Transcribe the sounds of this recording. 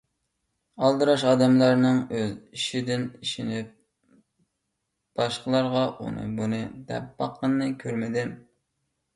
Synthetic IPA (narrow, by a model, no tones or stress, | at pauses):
ɑlˠd̪ɨɾɑʃɑːd̪ɛmlˠɑɾnɨŋøziʃid̪ɪniʃinɪp̚ | b̥ɑʃqəlˠɑɾʁɑʔṵnɨ̰bunɨd̪ɛ̰p̚bɑqʰːənːɨkʲʰøɾmɪd̪ɪm